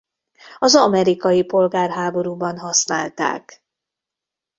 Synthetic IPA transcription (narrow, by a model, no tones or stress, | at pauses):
ɒzɒmɛɾikɒjipo̞lɡaːrɦaːbo̞ɾuːbɒnɦɒsna̰ːlt̪a̰ːk